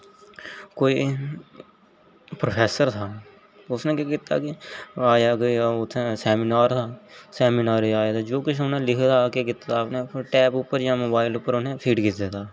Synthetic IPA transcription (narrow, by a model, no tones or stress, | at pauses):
koːiː | pɾopʰɛːsəɾt̪ʰaː | ʊsnẽːkekɪt̪ːa̰ːkɪaːjaːɡaːʊt̪ʰːẽːsɛːmɪnaːɾt̪ʰaːsɛːminaːɾeaːjaːt̪aːd͡ʒoːkʊt͡ʃʰʊnẽːlɪkʰd̪aːkeːkɪt̪ːpnẽːʈɛːpʊpːəɾjãːmoːbaːɪlʊpːəɾʊnẽːpʰiːʈkɪt̪d̪et̪ʰaː